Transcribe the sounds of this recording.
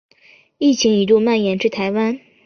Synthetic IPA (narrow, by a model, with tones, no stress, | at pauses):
i˥˩t͡ɕʰi˧˥ŋi˧˨˩t̪u˥˧ma˥˩njɛ˧˥nʈ͡ʂɻ̩˥˩t̪ʰa˧˥ɪwa˥n